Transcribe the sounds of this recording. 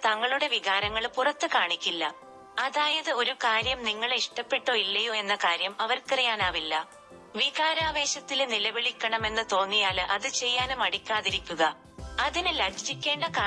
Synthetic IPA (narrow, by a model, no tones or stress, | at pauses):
t̪ɐŋːɐɭuɽe̞ʋiɣaːɾɐŋːɐɭpurɐt̪ːɨkaːɳikʲːilːɐ | ɐðaːjɐðɨo̞ɾukaːɾjɐmniŋːɐɭeiʂʈɐpːe̞ʈːoːilːɐjoe̞nːɐkaːɾjɐmɐʋɐrkirɐjaːnaːʋilːɐ | ʋiɣaːɾaːʋe̞ːɕɐt̪ːilnilɐbiɭikʲːɐɳɐme̞nːɨt̪o̞ːnːijaːlʔɐðɨt͡ɕe̞jːaːnumɐɽikʲːaːðiɾikʲːuɣɐ | ɐðinɨlɐɡd͡ʑikʲːe̞ːɳɖɐkaː